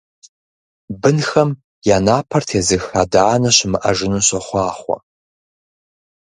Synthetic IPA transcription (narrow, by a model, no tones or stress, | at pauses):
bɨnxɐm | janaːpʰɐrtʰazɨxadaːnɐɕmɨʔɐ̰ʒɪnɨɕɐχʷɑːχʷɐ̰